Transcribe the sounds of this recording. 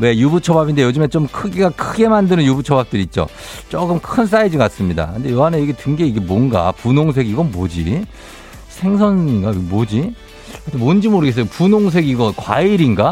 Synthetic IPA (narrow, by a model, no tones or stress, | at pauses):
we̞jubut͡ɕʰʌbabinde̞jod͡ʑɯmet͡ɕomkʰɯɡiɡakʰɯɡe̞mandɯnɯnjubut͡ɕʰʌbap̚t͈ɯɾiːt̚t͡ɕ͈o̰ | t͡ɕ͈okɯmkʰɯns̬͈aid͡ʑikas͈ɯmɲida̰kɯnde̞joɦanejeɡetɯŋɡe̞iɡe̞mwonɡa̰punoŋs̬ʰe̞ɡiɡʌnmod͡ʑḭ | sʰe̞ŋsʰʌnɡamod͡ʑi | kɯntʰemond͡ʑimoɾɯɡes̬͈ʌjopunoŋs̬ʰe̞ɡiɡʌnkwa̰iɾinɡa